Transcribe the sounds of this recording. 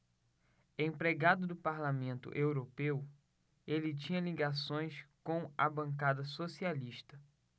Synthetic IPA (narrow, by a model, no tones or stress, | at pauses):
ẽpɾeɡad̪ʊd̪ʊpaɾlamẽnt̪ʊ̰ʔewɾopew | elɪt͡ʃĩɲɐliɡasõj̃skõw̃a̰bɐ̃ŋkad̪ɐsosialiʃt̪ɐ